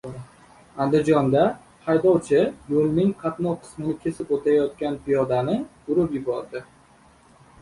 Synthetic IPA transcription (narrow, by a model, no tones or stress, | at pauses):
and̪ɪd͡ʒɒnd̪a | hʰajd̪ɒwt͡ʃʰɪjolˠnɪŋqʰɑt̪nɒqʰɨ̥smɪnɪkʲʰe̞sɪpot̪ʰajɒt̪̚kʲanpɪjɒd̪anɪ | ʊɾɪpjɪbɒɾd̪ɪ